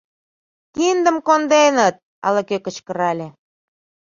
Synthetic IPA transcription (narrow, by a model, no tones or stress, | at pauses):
t̪ind̪ə̆mkond̪enət̪̚ | ɑ̰lɤkøkə̆t͡ɕkə̆ɾɑlʲe